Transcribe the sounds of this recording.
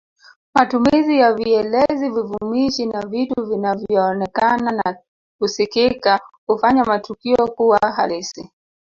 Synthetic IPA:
matumizijaviɛlɛzivivumiʃinavituuvinavjjɔːnɛkanana | kusikikahufaɲamatukiɔkuwaɦalisi

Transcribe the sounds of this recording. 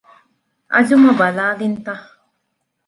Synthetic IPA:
ʔɐ̰d͡ʒumɐbɐlaːlint̪a

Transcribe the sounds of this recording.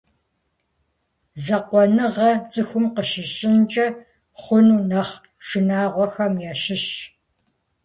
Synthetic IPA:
zɐqʷɔnɨʁɐt͡sʼɨxʷʊmqəʃɪɕʼɪnt͡ʃʼɐ | χʷʊnunɐχ | ʃɪnaːʁʷɔxɐmjɛɕɪɕ

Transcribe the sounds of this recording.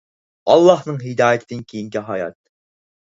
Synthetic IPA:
ɑlˠːɑhnɨŋɦɪd̪ɑːjɪt̪ʰɪd̪ɪnkʲʰejiŋkʲiɦɑjɑ̰t̪̚

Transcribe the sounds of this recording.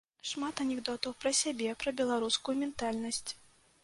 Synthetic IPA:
ʂmat̪ɐnʲɛɣd̪ɔt̪ɐwpɾɐsʲabʲɛpɾɐbʲɛlˠaɾuskujumʲɛnt̪alʲnɐsʲt͡sʲ

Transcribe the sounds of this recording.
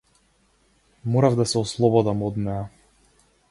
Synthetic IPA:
mɔɾavd̪asɛɔslˠɔbɔd̪amɔd̪nɛa

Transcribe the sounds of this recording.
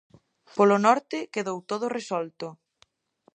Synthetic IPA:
polonɔɾt̪ɪkeðowt̪oð̞ʊresɔlt̪ʊ

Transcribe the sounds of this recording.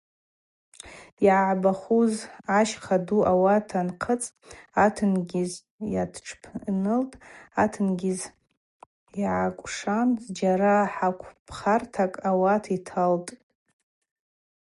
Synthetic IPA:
jʕaʕbaχuzaʃχʰaduʔawatʰanqʰət͡sʼtʼatʰɨnɡʲɪz | ja̰dʈ͡ʂʰpʰnɨltʼatʰɨnɡʲɪz | iʕakʷʼʂanzd͡ʒaɾaħakʷʰpʰχartʰakʼawatʰitʰaltʼ

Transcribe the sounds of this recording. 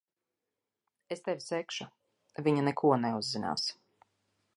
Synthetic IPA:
est̪ɛvʲsɛkʃu | vʲiɲanɛkʰuɔnɛuzːina̰ːs

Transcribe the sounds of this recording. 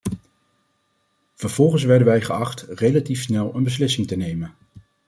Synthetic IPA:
v̥əɹv̥ɔlˠχənsʋɛɹdənʋɛjχəɑχtrejlatifsnɛlˠənbəs̬lɪsɪŋtənejmən

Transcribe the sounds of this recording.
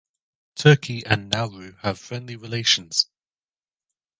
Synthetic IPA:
tʰɜˑkʰiʔə̃nːalˠɹʉəv̥fɹɛ̃ndliɹɪleɪʃə̃nz̥

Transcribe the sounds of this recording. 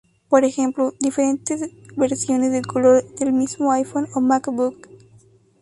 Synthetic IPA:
poɾexẽmplud̪ifeɾẽnt̪esʋeɾsioːnesd̪ekoloːd̪elmismoajfonomakbuk

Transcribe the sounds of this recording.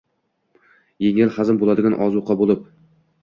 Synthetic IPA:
jeŋɪlˠhazɪmbolˠad̪ɪɡʲanʔɒ̰zuqʰɑbolˠɪp̚

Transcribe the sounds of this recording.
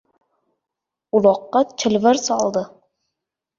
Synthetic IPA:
ʊlˠɒqːɑt͡ʃʰɪlvaɾsɒlˠd̪ɪ

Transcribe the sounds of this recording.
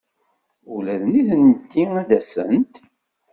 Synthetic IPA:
ulæðniðənt̪ːiæd̪æsə̰nt̪

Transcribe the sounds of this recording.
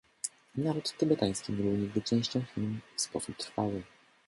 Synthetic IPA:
navɛt̪t̪ɘbɛt̪aj̃skʲimɾuɲiɡd̪ɘt͡ʂɛ̃w̃ɕt͡ɕɔ̃w̃xʲilmfspɔsup̚t̪ɾfawɘ

